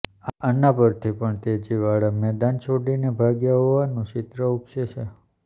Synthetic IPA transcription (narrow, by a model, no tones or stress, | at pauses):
aʔənapəɾt̪ʰipəɳt̪ed͡ʒiʋaɭamɛd̪ant͡ʃʰoɖinebʱaɡjaɦoʋanũt͡ʃɪt̪ɾəupʃeʃʰe